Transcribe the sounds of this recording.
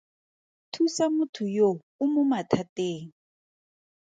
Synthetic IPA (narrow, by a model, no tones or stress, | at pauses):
tʰusamutʰujo | umumatʰateːŋ̩